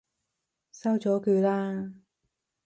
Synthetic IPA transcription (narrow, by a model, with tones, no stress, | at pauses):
sɐ˥wt͡sɔː˨˥kyː˧laː˥